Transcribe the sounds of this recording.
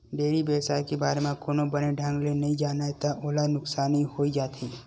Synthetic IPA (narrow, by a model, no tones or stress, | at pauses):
ɖeːɾibeːsaːɾkebaːɾemãkoːnõbəneɖʱãŋɡlenɐɦĩd͡ʒaːnaet̪aʔoːlanʊksaːnihoːid͡ʒaːt̪iː